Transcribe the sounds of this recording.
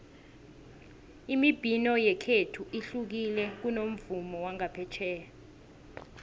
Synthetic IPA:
imib̥ʱinɔjɛkʰetʰuʔiɬuk̬ilɛk̬unom̩vumɔwaŋapʰɛt͡ʃʰɛːa

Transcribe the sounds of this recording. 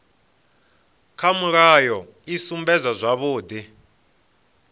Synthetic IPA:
kʰamuɺajɔ | isumbɛzazʷaβʊːd̪i

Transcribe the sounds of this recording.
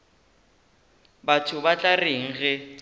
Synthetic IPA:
batʰʊbat͡ɬʼareŋ̩ɣɛ

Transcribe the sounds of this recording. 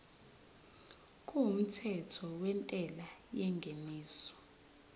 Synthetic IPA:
k̬ʼuum̩tʰɛtʰɔwɛntʼɛlajɛŋɡʱemiːsɔ̥

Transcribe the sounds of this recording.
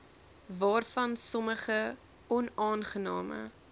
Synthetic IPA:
vɑːrfɐnsɔməχə | ɔnɑːnχənɑ̰ːmə̰

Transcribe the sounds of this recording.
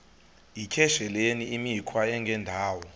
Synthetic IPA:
ikʰɛʃɛleniimikʰwaɛŋɡʱɛndʱaːwɔ

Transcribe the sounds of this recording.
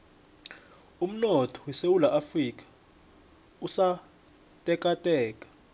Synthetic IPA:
um̩nɔtʰɔ̥wɛsewulaʔafrik̬ʼḁ | usa | tʼɛkʼatʼɛːkʼḁ

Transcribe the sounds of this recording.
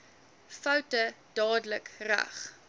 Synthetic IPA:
fɐwtəd̥ɑːdələkræ̰χ

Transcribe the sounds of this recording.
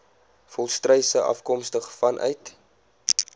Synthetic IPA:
fɔlˠstrəjsəʔɐ̰fkɔmstəχfɐnʔœ̰ɥt

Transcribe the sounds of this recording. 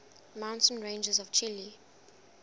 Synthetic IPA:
mãʊ̃ntə̃nɹẽnd͡ʒəzɔv̥t͡ʃʰili

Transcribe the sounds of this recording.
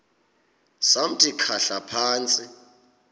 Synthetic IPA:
sam̩tʼikʰaɬapʰaːnt͡sʼi

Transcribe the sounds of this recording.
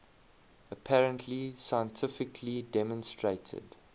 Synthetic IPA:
əpʰæɹə̃ntʰlisaɪə̃ntʰɪfɪkʰlidɛmɔ̃nstɹeɪtʰə̰d

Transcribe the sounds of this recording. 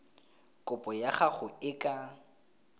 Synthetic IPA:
kʼʊpʼɔjaχaχʊɪkʼa

